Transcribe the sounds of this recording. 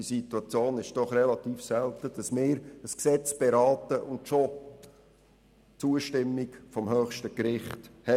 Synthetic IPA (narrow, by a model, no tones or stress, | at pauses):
isituɑt͡sjoːnɪʃd̥ɔχrɛlɑt̪iːfsɛlt̪əd̥ɑsmɪːɾəsksɛt͡sb̥eɾɑːtəʔʊndʃo | t͡suəʃtɪmːikfɔmhœːχʃtəkɾɪχthɛ